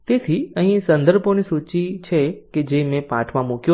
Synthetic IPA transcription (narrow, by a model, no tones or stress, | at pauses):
t̪eːt̪ʰiə̃ɦĩsə̃nd̪əɾbonisuːt͡ʃit͡ʃʰeked͡ʒemẽpaːʈʰmãmokjo